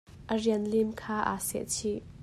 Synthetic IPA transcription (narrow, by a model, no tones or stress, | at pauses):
ʔəriənlimkʰaːʔa̰sɛ̰ʔt͡sʰi